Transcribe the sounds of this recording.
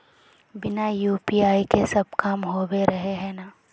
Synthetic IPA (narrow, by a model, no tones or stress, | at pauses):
bɪnajuːpiːaːikesɐb̚kamɦoːweɾɐɦeɦɛ̃naː